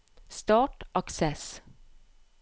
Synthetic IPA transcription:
st̪ɑːʈʔɑksɛs

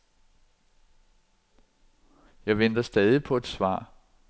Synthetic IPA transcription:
jɑ̈ɪʋen̰d̥ɐsd̥ɛːð̞ˠipʰɒ̽e̝d̥sʋɑ̰̈ː

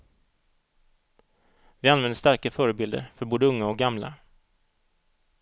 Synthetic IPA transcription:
vɪanvɛnd̪əst̪aɾkaəfœːɾəbɪld̪ə̰ɾfœɾboːd̪əɵŋːaɔk̚ɡamla̰

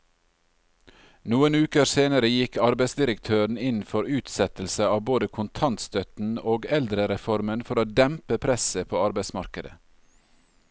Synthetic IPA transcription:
nuːənʉːkəɾseːnəɾəjɪkʰɑɾbæɪsd̪ɪɾəkt̪ʰøːɾɳ̩ɪnn̩fɔɾʉːt̪sɛt̪l̩səɑːʋboːd̪əkʰʊnt̪ʰɑnt̪st̪œt̪n̩oːɡɛld̪ɾəɾɛfɔɾmənfɔɾoːd̪ɛmpəpʰɾɛsəpʰoːɑɾbæɪsmɑɾkəd̪ə̰

